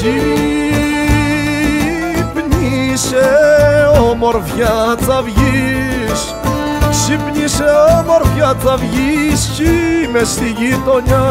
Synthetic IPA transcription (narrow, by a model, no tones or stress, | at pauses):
i | pɲiiise | omoɾvjɐt͡sɐvʝis | sipɲiseomoɾvjɐt͡sɐvʝiscimɛst̪iʝit̪oɲɐ